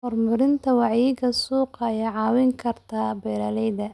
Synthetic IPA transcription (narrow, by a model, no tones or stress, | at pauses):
hɔrmʊɾɪnt̪ʰɐwɑʕiːɡɐsuːqɑjɛʕɑːwɪŋkʰɐrt̪ʰabɛːɾɐlɛjðɐ